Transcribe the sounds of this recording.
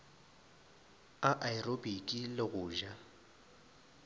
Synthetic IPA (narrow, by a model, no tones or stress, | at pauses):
aʔaɪrobikʼilɪɣʊːʒa